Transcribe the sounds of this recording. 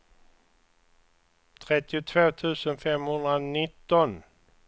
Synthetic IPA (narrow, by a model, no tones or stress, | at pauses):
t̪ʰɾɛt̪ːɪʊt̪ʰvoːt̪ʰʉ̟ːsənfɛmhɵnd̪ɾanɪt̪ːɔn